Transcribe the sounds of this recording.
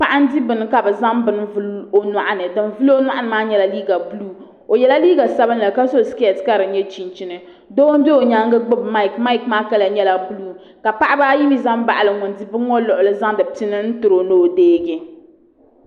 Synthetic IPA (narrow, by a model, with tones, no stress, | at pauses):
pa˦ʔa˦n̩˦di˦bɨ˨nɨ˨ka˨bɛ˨za˦mbɨ˦nvu˦lo˨na˨ʔa˦nɨ˨dɨ˨nvu˦lo˦o˦nwa˦ʔa˦nɨ˨maː˦ɲɛ˦la˦liː˦ɡa˨bu˦luː˦ | o˨jɛ˨la˦liː˦ɡa˨sa˦bɨ˦nla˨ka˦so˦˨ski˦ɛ˨tka˦ɾɨ˨˦ɲɛ˦t͡ʃi˨n˨t͡ʃi˨nɨ˨ | do˦n˦bɛ˦o˨ɲa˦ŋɡɨ˦ɡ͡bʊ˦bma˦i˨kma˦i˦˨kmaː˦ka˦la˨ɲɛ˦la˨bu˦luː˦ | ka˨pa˦ʔa˦baː˦ji˦bi˦za˦mba˦˨ʔa˨lɨ˨ŋɔ˨ndi˦bɨ˦ŋɔ˦lʊ˨ʔʊ˨lɨ˦za˦ŋ˦dɨ˨ti˦nɨ˦n̩˦tʊ˨ɾo˨no˦˨deː˦ɡɪ˨